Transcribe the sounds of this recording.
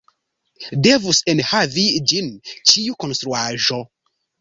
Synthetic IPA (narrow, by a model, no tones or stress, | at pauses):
devusenhavid͡ʒint͡ʃiukonst̪ɾuaʒo